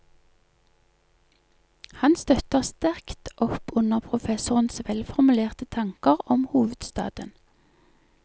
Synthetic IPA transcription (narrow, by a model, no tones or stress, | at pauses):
hɑnst̪œt̪əʁst̪æʁkt̪ʔɔpʊnəʁpʰʁʊfɛsʊʁənsʋɛlfɔʁmʉleːʁt̪ət̪ʰɑŋkəʁɔmhuːʋəd̪̥st̪ɑ̰ːd̪ən